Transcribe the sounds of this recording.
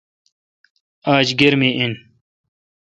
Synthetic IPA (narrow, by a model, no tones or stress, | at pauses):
aːd͡ʑɡeɾmiʔin